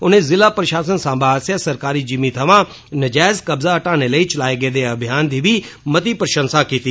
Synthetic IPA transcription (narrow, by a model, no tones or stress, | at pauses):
ʊnẽːzɪlaːpɾəʃaːsənsãːbaːsjasəɾkaːɾiːd͡ʒimiːt̪ʰəʋãː | nəd͡ʒaːɪzkəbzaːəʈaːneːləiːt͡ʃəlaːeːɡəeːd̪eːəbʱjaːnd̪iːʋiːmət̪iːpɾəʃə̃nsaːkiːt̪iː